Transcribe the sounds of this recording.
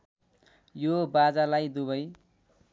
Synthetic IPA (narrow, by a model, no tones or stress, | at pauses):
jobad͡zalajd̪uβʌj